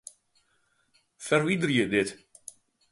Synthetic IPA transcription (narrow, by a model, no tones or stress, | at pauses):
fɛrʋidərjədɪt